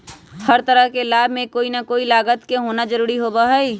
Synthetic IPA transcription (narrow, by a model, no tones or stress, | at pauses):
həɾt̪əɾəɦkelaːbmẽkoːinakoːilaːɡət̪keɦonad͡ʒəɾuːɾiɦobaɦəi